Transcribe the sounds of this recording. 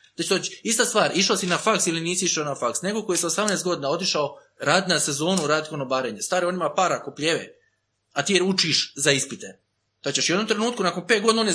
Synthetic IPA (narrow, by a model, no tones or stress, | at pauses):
d̪at͡ɕt̪ot͡ʃist̪ast̪ʋaːɾiʃaosinafaksiliniːsiiʃaonafaksne̞kokojesosamnest̪ɡo̞d̪inao̞t̪iʃao | ɾaːd̪nase̞zo̞ːnuɾaːd̪konobaɾeɲest̪aːɾio̞nimapaːɾakopʎeʋḛ | at̪ijeɾut͡ʃiʃzaispit̪e | t̪at͡ɕeʃwjed̪nomt̪ɾe̞nuːt̪kunakonpe̞t̪ɡod̪naonje